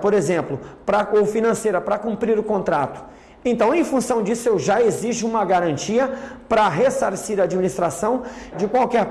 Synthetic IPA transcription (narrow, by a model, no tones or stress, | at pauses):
poɾezẽmplʊpɾɐowfinɐ̃sejɾɐpɾɐkũmpɾiɾʊkõnt̪ɾat̪ʊ̥ | ẽnt̪ɐ̃w̃ẽj̃fũsɐ̃w̃d͡ʒisʊewʒaeziʒʊũmɐɡaɾɐ̃nt͡ʃiɐpɾɐɦesaɾsiɾaːd͡ʒiminist̪ɾasɐ̃w̃d͡ʒɪkwawkɛɾ